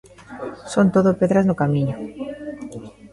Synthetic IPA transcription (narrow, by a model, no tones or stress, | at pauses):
sont̪oðopeðɾaznʊkamĩɲʊ